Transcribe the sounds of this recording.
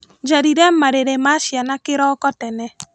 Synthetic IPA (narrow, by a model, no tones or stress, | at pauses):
d͡ʒaɾiɾɛmaɾeɾemaʃjanakeɾɔkɔtɛnɛ